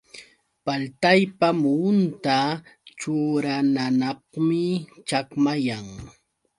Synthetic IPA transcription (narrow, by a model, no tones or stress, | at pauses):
palt̪ajpamʊnt̪at͡ʃʊɾananɑqmɪt͡ʃakmajaŋ